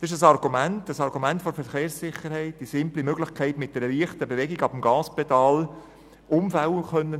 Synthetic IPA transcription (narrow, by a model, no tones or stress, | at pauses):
dɑsɪʃəsɑrɡ̥umæntəsɑɾɡumæntfoɾfɛɾχeːɾsːɪχəɾhɛɪt̚d̥isɪmplimøɡlɪχkʰɛɪtmɪt̚d̥ɛɾəliːəχtəbevɛɡiɡɑbəmɡɑːspɛtɑːl | ʔʊmfælχœnːə